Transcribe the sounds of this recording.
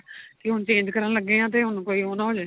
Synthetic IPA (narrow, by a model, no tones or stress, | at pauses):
kɪɦʊnt͡ʃẽːd͡ʒkəɾənləɡːẽːãːt̪̬eːɦʊnkoːiːoːnaɦoːd͡ʒeː